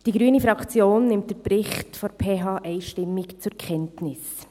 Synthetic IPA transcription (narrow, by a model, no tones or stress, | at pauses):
d̥iːɡɾyːnəfɾɑkt͡sjoːnːɪmtd̥ɛɾbɾɪχtfoɾpʰeːɦɑːʔɛɪʃtɪmːɪkt͡sʊkʰɛntnɪs